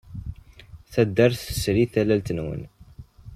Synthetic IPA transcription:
θæd̪ːæɾθə̥sɾiθælælt̪ənwə̰n

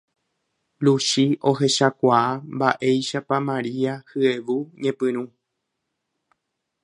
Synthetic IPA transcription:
luʃio̞he̞ʃakʷaambaʔe̞jʃapamãɾiahɨeʋuɲẽ̞pɨ̃ɾ̃ũ

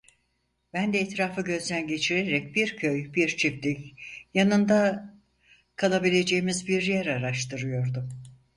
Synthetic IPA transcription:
b̥ænd̪ɛːt̪ɾaːfɯɟø̞zd̪ænɟe̞t͡ʃʰiɾeɾɛc̚biɾcʰøjbiɾt͡ʃʰip̚t̪icjanɯnd̪a | kʰalˠabilʲe̞d͡ʒe̞jimizbiɾjæɾaɾaʃt̪ʰɯɾɯjo̞ɾd̪um

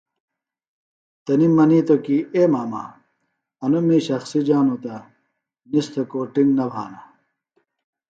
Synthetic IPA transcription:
t̪ɐnimɐniːt̪okiemaːma̰ː | ɐnumiːɕɐxsid͡ʑaːnot̪ɐ | nist̪ʰɐkoːʈiŋɡnɐbʱaːna

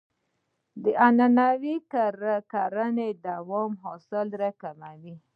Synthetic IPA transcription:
d̪əʔananawikaɾakaɾaned̪awɔmɦɔsɪlɾakamawi

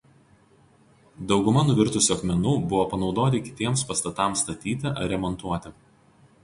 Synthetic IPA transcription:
d̪ɒʊɡʊmɐnʊʋʲɪɾt̪ʊsʲuɐkmʲɛnuːbʊʋoːpɐnɒʊd̪oːt̪ʲɪkʲɪ̥t̪ʲiɛmspɐst̪ɐt̪ɑˑmst̪ɐt̪ʲiːt̪ʲɪʔɐ̰ɾʲɛmɔnt̪uɔt̪ʲɪ

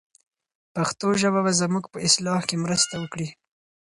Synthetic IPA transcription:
paxt̪oʒəβabazəmuɡpəɪslɑhkemɾəst̪awəkɽi

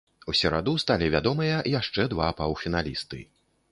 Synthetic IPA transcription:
usʲɛɾa̰d̪ust̪alʲivʲad̪ɔmɨjɐjaʂt͡ʂɛd̪vapawfʲinalʲist̪ɨ̰

